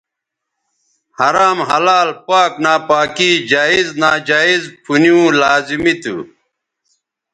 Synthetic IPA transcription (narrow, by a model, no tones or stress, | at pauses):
hɐɾaːmɦɐ̰laːlpaːknaːpaːkid͡ʑaːiznaːd͡ʑaːizpʰunjũːlaːzimit̪ṵ